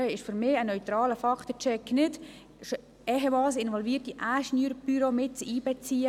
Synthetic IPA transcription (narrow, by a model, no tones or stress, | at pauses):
ɛɪʃfʏɾmɪənœʏt̪ɾɑːləfɑkʰt̪ot͡ʃɛkːnɪt | ʃ | ɛɦɛʋɑːsɪnʋɔlʋiərtiʔæʃnyɾb̥yɾomɪt̚t͡siːbɛt͡siːə